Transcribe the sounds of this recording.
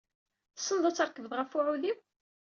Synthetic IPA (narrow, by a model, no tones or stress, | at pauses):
θə̥sːənðˤɑt͡sːəɾkəvðʁəfʊʕuðiw